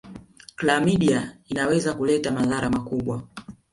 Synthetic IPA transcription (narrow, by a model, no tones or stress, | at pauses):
klamiɗiainawɛzakulɛtamaðaɾamakuɓwa